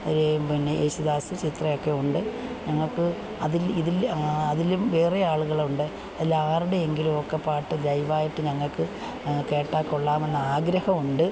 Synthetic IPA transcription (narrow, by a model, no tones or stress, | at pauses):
oɾepinːeʔeːɕuðaːsɨt͡ɕit̪rɐjo̞kːe̞uɳɖɨɲɐŋːɐɭkːɨ | ɐðiliðilɐðilumʋe̞ːrɐjaːɭuɣɐɭuɳɖɨ | ɐðilaːruɽe̞eŋɡilumokːepːaːʈːɨd͡ʑɐjʋaːjiʈːɨɲɐŋːɐɭkɨ | ke̞ːʈːaːkːuɭːaːme̞nːɐaːɡɾɐhɐmuɳɖɨ